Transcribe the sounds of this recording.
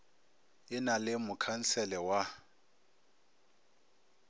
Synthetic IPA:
ɪnalɪmʊkʰan̩sʰɛlɛwa

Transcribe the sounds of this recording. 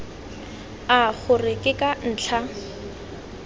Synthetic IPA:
aχʊrɪkʼɪkʼan̩ːt͡ɬʰa

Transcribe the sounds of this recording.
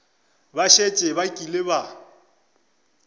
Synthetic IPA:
baʃet͡ʃʼɪβakʼilɪba

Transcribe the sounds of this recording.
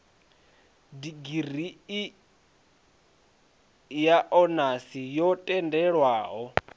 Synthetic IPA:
diɡirii | jaʔɔnasijɔtʼɛndɛɺwaːɦɔ

